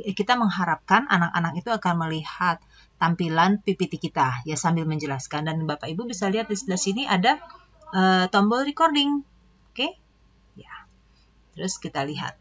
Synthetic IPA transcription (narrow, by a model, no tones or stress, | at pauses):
kit̪aməŋɦaɾap̚kanʔa̰naka̰nakit̪uakanməlihat̪̚ː | ampilanpipit̪ikit̪ajasambɪlməɲd͡ʒəlaskandanbapaibubisaliɦat̪̚disdasiniʔada | ʔət̪ɔmbɔlrɾikordɪŋ | oke | ja | t̪əɾʊskit̪aliɦa̰t̪̚